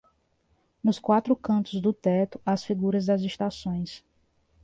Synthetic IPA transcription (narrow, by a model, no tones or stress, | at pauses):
nʊskwat̪ɾʊkɐ̃nt̪ʊzd̪ʊt̪ɛt̪ʊ̥ʔɐsfiɡuɾɐzd̪ɐzeʃt̪asõj̃s